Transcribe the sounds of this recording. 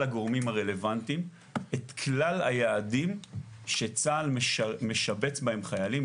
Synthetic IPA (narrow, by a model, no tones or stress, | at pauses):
aɡoʁmimhaʁele̞vant̪im | et̪kʰlalhajaːdim | ʃe̞t͡saːlmeʃme̞ʃabe̞t͡sbahe̞mχajalim